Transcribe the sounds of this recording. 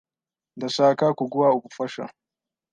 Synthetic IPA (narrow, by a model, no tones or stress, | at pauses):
dasaːkaːkʷuɡʷʊwaʔʊbuɸɐʃa̰